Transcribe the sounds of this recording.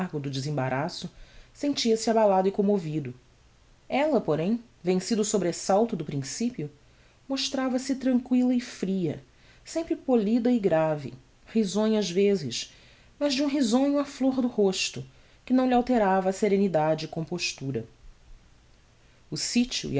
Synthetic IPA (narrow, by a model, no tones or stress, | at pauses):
ɦɡʊd̪ʊd͡ʒɪzẽba̰ɾasʊsẽnt͡ʃiɐsɪabalad̪ʊɪkõmovid̪ʊ | ɛlɐpoɾẽj̃ | vẽsid̪ʊsobɾesawt̪ʊd̪ʊpɾĩsipiʊ | moʃt̪ɾavɐsɪt̪ɾɐ̃ŋkwilɐɪfɾiɐ̰ | sẽmpɾɪpolid̪ɐɪɡɾavɪ̰ | hizõɲʊɐzvezɪʃ | mɐʒd͡ʒɪũɦizõɲʊafloɾd̪ʊhoʃt̪ʊ | kɪnɐ̃w̃liawt̪eɾavɐːseɾẽnid̪ad͡ʒɪːkõpoʃt̪uɾɐ̰ | ʊsit͡ʃʊ̰ḭ